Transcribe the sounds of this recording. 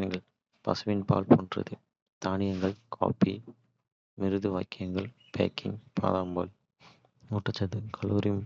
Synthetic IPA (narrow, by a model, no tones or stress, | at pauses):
ɐŋɡɐɭ | pɐ̰sɯʋɪnpa̰ːlpoːndrɐ̰ðɯ | t̪aːnɪjɐŋɡɐɭkʰa̰ːpi | mɪɾɯðɯʋaːjkːɐjɐŋɡɐɭ | pḛːkɪ̰ŋpʰa̰ːðaːmbɐ̰ːl | uʈːɐt͡ʃːɐðɯkʰɐloːɾɪjm